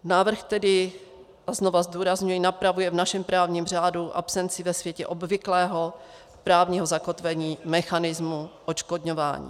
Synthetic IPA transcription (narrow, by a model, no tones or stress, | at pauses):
naːvr̩xt̪ɛdɪ | ʔazno̞vazduːɾazɲujinapɾavujɛvnaʃɛmpɾaːvɲiːmr̝aːduʔa̰psɛnt͡sɪvɛsvjɛcɛʔo̞bvɪklɛːɦo̞ | pɾaːvɲiːɦozako̞t̪vɛɲiːmɛxanɪzmuʔot͡ʃkodɲo̞va̰ːɲḭː